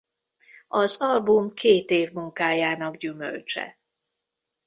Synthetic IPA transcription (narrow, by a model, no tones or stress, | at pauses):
ɒzɒlbumkʰeːt̪eːvmuŋkaːjaːnɒɡɟymø̰lt͡ʃɛ̰